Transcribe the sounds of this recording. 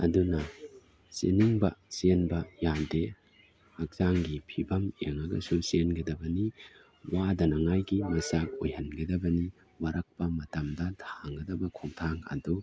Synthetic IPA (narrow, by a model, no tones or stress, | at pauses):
ɐ̰dunɐ | sḛniŋbɐsenbɐjande | hɐk̚zaŋɡipʰibɐmeŋɐɡɐ̰susenɡɐdɐbɐni | wadɐnɐŋajɡimɐsak̚ojhɐnɡɐdɐbɐni | waɾɐk̚pɐmɐtɐmdɐdʰaŋɡɐdɐbɐkʰuŋtʰaŋɐ̰du